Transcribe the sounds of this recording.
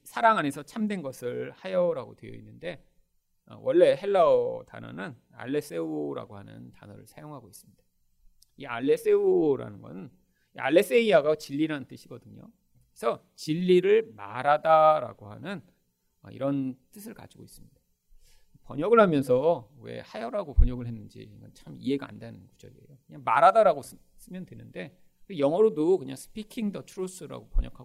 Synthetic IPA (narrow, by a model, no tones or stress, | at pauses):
sʰaɾaŋɦane̞sʰʌt͡ɕʰamdwe̞nɡʌsʰɯɭhajʌɾaɡodwe̞jʌinːɯnde̞ | ʌ̰wʔʌɭːe̞ɦe̞ɭːaota̰nʌ̰nɯn | a̰ɭːe̞s͈e̞uɾa̰ɡoɦhanɯ̰nta̰nʌɾɯɭsʰajoŋɦaɡois͈ɯmɲid̥a | ia̰ɭːe̞s͈e̞uɾa̰nɯnɡʌ̰nɯn | ia̰ɭːe̞s͈e̞iaɡat͡ɕiʎːiɾanɯnt͈ɯɕʰiɡʌdɯɲo̰ | esʰʌ | t͡ɕiʎːiɾɯɭma̰ɾadaɾa̰ɡohanɯn | ʌ̰ḭɾʌnt͈ɯsʰɯɭka̰d͡ʑiɡois͈ɯmɲida | pʌɲʌɡɯɭhamjʌnsʰʌwe̞̰hajʌɾaɡopʌɲʌɡɯɭɦe̞nːɯnd͡ʑḭɡʌnt͡ɕʰamḭɦe̞ɡaa̰ndanɯnkud͡ʑʌ̰ɡieḛjokɯɲaŋma̰ɾadaɾaɡos | s͈ɯmjʌndwe̞nɯnde̞ | kejʌŋʌɾodokɯɲa̰ŋsʰɯ̥pʰikʰiŋdʌtʰuɾos͈ɯɾa̰ɡopʌɲʌ̰kʰa